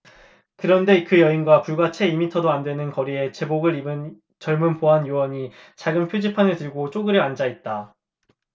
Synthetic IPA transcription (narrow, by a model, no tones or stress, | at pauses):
kɯɾʌnde̞kɯjʌinɡwapuɭɡwat͡ɕʰe̞imitʰʌdoandwe̞nɯnkʌɾie̞t͡ɕe̞boɡɯɾibɯn | t͡ɕʌɭmunpoɦanjuwʌɲi | t͡ɕaɡɯmpʰjod͡ʑipʰanɯɭtɯɭɡot͡ɕ͈oɡɯɾeand͡ʑait̚t͈a